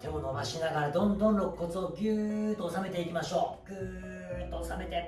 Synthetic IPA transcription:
t̪ʰe̞monomaɕinaɡaɾad̪õ̞nd̪õnɾo̞kkːo̞t͡sɨoɡʲɯːt̪oːsame̞t̪e̞ikʲimaɕo̞ːɡʲɯː | t̪oːsame̞t̪e

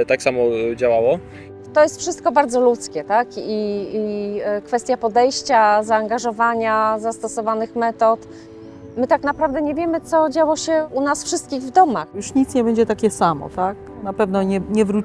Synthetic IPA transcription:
t̪aksamɔd͡ʑawawɔ | t̪ɔjɛst̪fʂɘst̪̚kɔbaɾd̪zɔlut̪skʲɛt̪akiikfɛst̪ʲjapɔd̪ɛjɕt͡ɕazaːŋɡaʐɔvaɲazast̪ɔsɔvanɘxmɛt̪ɔt̪ | mɘt̪aknapɾavd̪ɛɲɛvʲjɛmɘt̪sɔd͡ʑawɔɕɛunasfʂɘst̪̚kʲiɣvd̪ɔmaxjuʂɲit̪sɲɛbɛɲd͡ʑɛt̪akʲɛsamɔ̰t̪ak | napɛvnɔɲɛɲɛvɾu

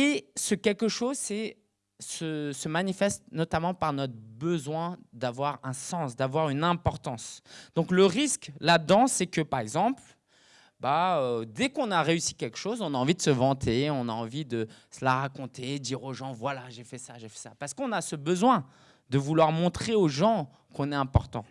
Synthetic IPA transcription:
esəkʲɛlkəʃozsɛ | səsəmanifɛst̪nɔt̪amɑ̃paʁnɔt̪χəbəzwɛ̃d̪avwaʁɛ̃sɑ̃sd̪avwaʁynɛ̃pɔʁt̪ɑ̃sd̪̥ɔ̃kləʁisklad̪ɑ̃sɛkəpaʁɛɡzɑ̃pl | baød̪ɛkɔ̃naʁeysi̥kʲɛlkə̥ʃozɔ̃naɑ̃vid̪əsəvɑ̃t̪ʰeɔ̃naɑ̃vid̪əsəlaʁakɔ̃t̪ʰed̪iʁoʒɑ̃vwalaʒefɛsaʒefɛsapaʁsə̥kɔ̃nasəbəzwɛ̃ | d̪əvulwaʁmɔ̃t̪χeoʒɑ̃ | kɔ̃nɛɛ̃pɔʁt̪ɑ̃

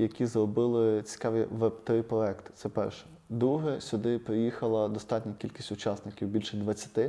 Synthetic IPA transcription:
jɐkʲizrɔbɪlˠɪt͡sʲi̥kɑʋʲiʋɛbt̪ɾɪpɾɔɛkt̪ɪ̥t̪sɛpɛ̰rʃɛ̥ | d̪ɾuɦɛsʲʊd̪ɪpɾɪjixɐlˠɐd̪ɔst̪ɑtʲnʲɐkʲilʲkʲi̥sʲtʲʊt͡ʃɑsnɪkʲiwbʲilʲʃɛd̪ʋɐt͡sʲːɐ̥t̪ɪ

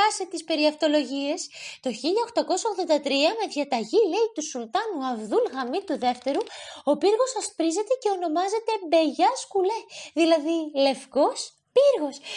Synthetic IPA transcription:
ɐset̪ispe̞ɾiɐft̪o̞lo̞ʝie̞st̪o̞çiʎɐoxt̪ɐko̞sɐoɣðo̞nd̪ɐt̪ɾiɐme̞ðʝɐt̪ɐʝile̞it̪usult̪ɐnuɐvðulɣɐmit̪uðe̞ft̪e̞ɾuo̞piɾɣo̞sɐspɾizet̪e̞ce̞o̞no̞mɐze̞t̪e̞mbe̞ʝɐskule̞ðilɐðile̞fko̞s | piɾɣo̞s

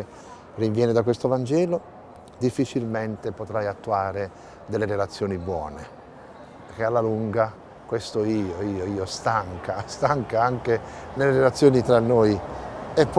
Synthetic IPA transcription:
rivjɛːned̪akwest̪ovand͡ʒɛːlo | d̪ifːit͡ʃilment̪epot̪ɾajat̪ːuaːɾe | d̪ɛlːeɾelat̪sːjɔːnibwɔ̰ːne | peɾk̟ealːaluŋɡa | kwest̪oiːoiːoiːost̪aŋkast̪aŋkaaŋkenelːeɾelat̪sːjoɔːnit̪ɾanːoːjepː

